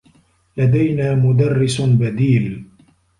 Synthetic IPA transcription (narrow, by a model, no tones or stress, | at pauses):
lad̪ajnaːmʊd̪arːɪsbad̪iːl